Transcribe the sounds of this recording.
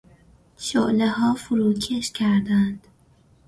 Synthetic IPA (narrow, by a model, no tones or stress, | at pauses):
ʃoʔlehɒːfʊɾuːcʰeʃcʰæɾd̪ænd̪̥